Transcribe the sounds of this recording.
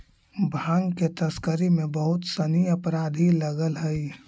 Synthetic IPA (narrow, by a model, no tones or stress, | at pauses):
bʱãːŋɡket̪ɐskəɾemẽbəɦʊt̪səniɐpɾaːd̪ʱiləɡəlɦɛi